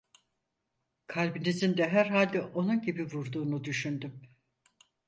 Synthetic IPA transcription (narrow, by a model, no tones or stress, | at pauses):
kʰalʲbinizind̪ɛɦæɾɦalʲd̪ɛʔo̞nunɟibivuɾd̪uːnud̪yʃynd̪ym